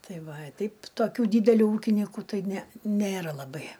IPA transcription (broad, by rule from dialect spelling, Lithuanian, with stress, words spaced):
ˈtɐɪ ˈʋɐ ɐ ˈtʲɛɪp toːˈkʲuː dʲiːdʲɛˈlʲuː ˈuːkʲɪnʲiːkʊ ˈtɐɪ ˈnʲɛ ˈnʲeːrɐ lˠɐˈbɐɪ